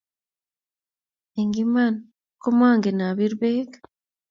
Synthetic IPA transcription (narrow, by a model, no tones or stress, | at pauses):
eŋɡiman | komaːŋɡenaβiɾβeːɡḁ